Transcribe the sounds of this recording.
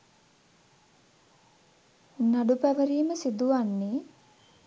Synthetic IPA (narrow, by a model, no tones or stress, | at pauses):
naɖupæʋəɾiːməsid̪uanːe